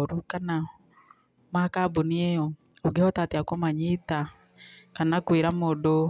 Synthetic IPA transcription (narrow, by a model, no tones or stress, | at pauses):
ɾukana | makaboniɛɔ | oɡɛhɔtateakomaɲita | kanakweɾamodo